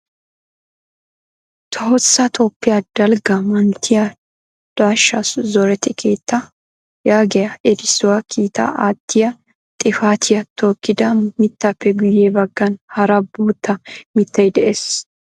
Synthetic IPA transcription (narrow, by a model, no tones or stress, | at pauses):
t̪ʰɐhɔsːɐt̪ʰoːpːɪjɐd̪̥ɐlɡɐmɐnt̪ʰɪjɐ | d̪̥aːʃːaszɔɾɛt̪ːɪkʰeːt̪ːɐ | jaːɡɛjɐɛd̪ɪsːʊwɐkʰiːt̪ɐ̰ʔaːt̪ʰːɪjɐ | t̪ʼɪfaːt̪ʰɪjɐt̪ʰoːkːɪd̪ɐmɪt̪ːɐpːɛɡʊjːebɐɡːɐnhɐɾɐboːt̪ːɐmɪt̪ːɐjd̪ɛʔeːs